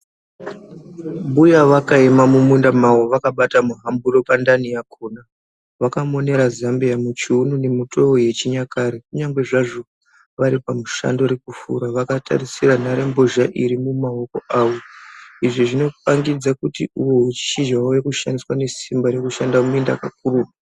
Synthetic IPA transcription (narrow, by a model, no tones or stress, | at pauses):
mbujaʋakaemamumundamawoʋakaɓatamuɦambuɾo̞pandanijakʰoːna | ʋakamo̞ne̞ɾazambiamut͡ʃiunune̞muto̞oje̞t͡ʃiɲakaːɾekuɲaŋɡwe̞ʐaʐo̞ | ʋaɾipamuʃa̰ndo̞ɾekufṵɾaʋakatʰa̰risiɾanaɾe̞mbo̞ʒaʔiɾimumaɦo̞ko̞̰ʔaːwo̞iʐiʐino̞paŋɡid͡zakutiuwo̞ut͡ʃi̥ʃid͡ʒawojekuʃandiswane̞simbaɾe̞kuʃandamuinda̰kak̚urua